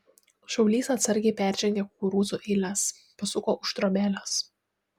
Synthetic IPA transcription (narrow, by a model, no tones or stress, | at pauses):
ʃɐʊlʲiːsɐt̪sɐɾʲɡʲɛɪpʲæːˑɾʲʒʲɛŋʲɡʲeːkʊuɾuːzuʔɛɪlʲæs | pɐsʊkoːʔʊʃt̪ɾomʲæːlʲos